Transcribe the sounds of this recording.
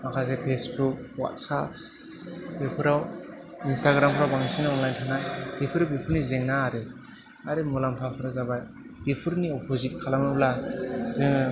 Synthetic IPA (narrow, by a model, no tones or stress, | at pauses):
akʰazepʰesbuk̚wa̰t̚sap̚ʰ | bepʰɯɾaw | instʰaɡɾampʰɯɾawbaŋisinaɔnlajntʰanajbipʰɯɾabipʰuɾnizeŋnaːɾe | aɾɯmulampʰapʰɯɾazabaj | b̥ipʰuɾniɔpʰozit̚kʰalamɯlazɯŋɯ